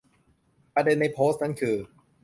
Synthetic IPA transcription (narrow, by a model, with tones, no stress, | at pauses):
pa˧de˧nːa˧jpʰoː˦˥st̚na˦˥nkʰɯː˧